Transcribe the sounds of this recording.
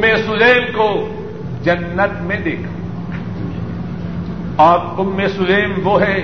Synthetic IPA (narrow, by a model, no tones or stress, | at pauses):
mẽsʊleːmko | d͡ʒɐnːət̪mẽd̪eːkʰa | ɔːɾʊmːesʊleːmʋoɦɛː